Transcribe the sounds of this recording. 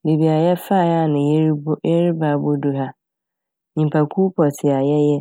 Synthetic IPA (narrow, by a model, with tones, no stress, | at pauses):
be˨bi˨a˨jɛ˦fa˦˨ja˦˨nɪ̃˨je˦ɾbje˦ɾi˦ba˨bo˦du˦ɦa˦ | ɲĩ˨m˨pʰa˨kʰu˦pʰɔ˨tʰɪ˨a˨jɛ˦jɛ˦